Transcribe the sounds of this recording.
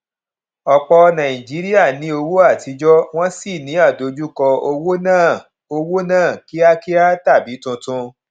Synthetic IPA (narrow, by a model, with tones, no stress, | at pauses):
ɔ˨k͡pɔ˧nã˨ĩ˨d͡ʒi˨˦ɾi˦a˦˨nĩ˨˦o˧wo˦a˦˨ti˧˦d͡ʒɔ˦w̃ɔ̃˦si˦˨nĩ˨˦a˦˨do˨˦d͡ʒu˦kɔ˧o˧wo˦nãː˦˨ | o˧wo˦nãː˦˨ki˦a˦ki˦a˦ta˦˨bi˨˦tũ˧tũ˧